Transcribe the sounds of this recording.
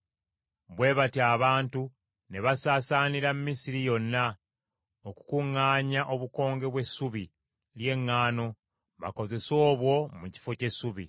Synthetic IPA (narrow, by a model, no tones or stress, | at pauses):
βwe̞ːβatiaːβaːntu | ne̞βasaːsaːniɾamumisiɾijo̞nːa | oku̥kuŋːaːɲaʔo̞βuko̞ːŋɡe̞βwe̞suβi | lje̞ŋːaːno̞ | βa̰ko̞ze̞so̞ːβwo̞muci̥fo̞ce̞suβi